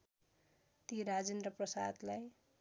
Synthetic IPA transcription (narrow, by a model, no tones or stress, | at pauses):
t̪iɾad͡zend̪rʌprʌsa̰d̪laj